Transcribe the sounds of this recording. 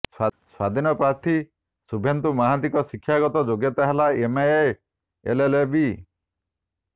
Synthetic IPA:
swad̪ʱinɔpɾaɾt̪ʰi | subʱent̪umaɦad̪ikɔsikʰːjaɡɔt̪ɔd͡ʒoɡjɔt̪aɦelaemajej | ḛlelebi

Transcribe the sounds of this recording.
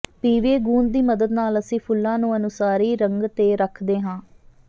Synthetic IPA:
piːʋeːɡuːnd̪iːməd̪əd̪naːləsĩːpʰʊlːãːnũːənʊsaːɾiːɾəŋɡt̪eːɾəkʰd̪eːɦãː

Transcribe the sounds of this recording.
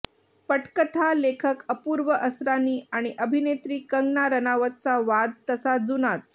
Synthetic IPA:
pəʈkət̪ʰalekʰəkəpuːɾʋəʔəsɾaniːaɽ̃iʔəbʱinet̪ɾiːkəŋɡnaɾənaʋət̪̚t͡saʋad̪̚t̪əsad͡zunat͡s̚

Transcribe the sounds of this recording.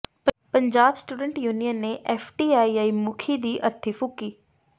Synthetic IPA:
pɐ̃ɲd͡ʑaːbsʈuːɖə̃ɳʈjuːnijənːẽʔeːfʈiːaːiaːimʊkʰid̪iːʔɐɾt̪ʰifʊkiː

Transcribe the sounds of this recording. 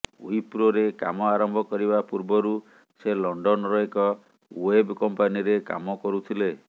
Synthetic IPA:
ujpɾoɾeka̰mɔaɾɔmbʱɔkɔɾibapuɾbɔɾu | selɔɳɖɔnɾɔekɔ | webkɔmpaniɾeka̰mɔkɔɾut̪ʰile

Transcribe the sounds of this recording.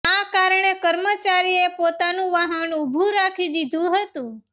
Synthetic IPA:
akaɾɳekəɾmət͡ʃaɾiepot̪anũʋaɦənubʱũɾakʰid̪id̪ʱũɦət̪ũ

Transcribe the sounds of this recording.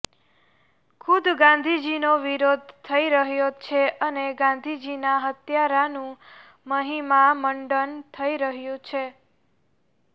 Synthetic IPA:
kʰud̪ɡãnd̪ʱid͡ʒinoʋiɾod̪̚ʱt̪ʰəiɾəɦjot͡ʃʰeʔəneɡãnd̪ʱid͡ʒinaɦət̪jaɾanũ | məɦimaməɳɖənt̪ʰəiɾəɦjũt͡ʃʰe

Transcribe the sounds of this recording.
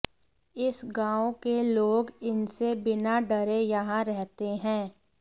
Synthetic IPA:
ɪsɡãːõkeloːɡɪnsebɪnaɖəɾejɐɦãɾɛɦt̪eɦɛ̃ː

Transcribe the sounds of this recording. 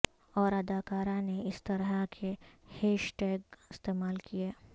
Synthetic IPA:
ɔːɾɐd̪aːkaːɾãneɪst̪ɐɾəkʰeheːʃʈeːɡɪst̪eːmaːlkijeː

